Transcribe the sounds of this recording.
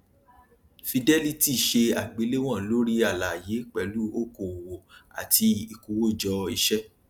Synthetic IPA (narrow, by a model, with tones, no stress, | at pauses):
fi˧dɛ˦li˦˨ti˦˨ʃe˧a˨ɡ͡be˨˧˦le˦w̃ɔ̃˦˨lo˦ɾi˦a˨la˨je˨˦k͡pɛ˧˦lu˦o˦ko˨wo˨a̰˨ti˧i˧ku˧wo˦˨d͡ʒɔ˧i˧ʃɛ˦